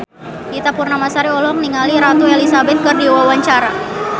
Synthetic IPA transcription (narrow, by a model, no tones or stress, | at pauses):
dit̪apurnamasaɾiɔlɔŋniŋaliɾat̪uɛlisabɛt̪̚kɨrdiwawaɲt͡ʃaɾa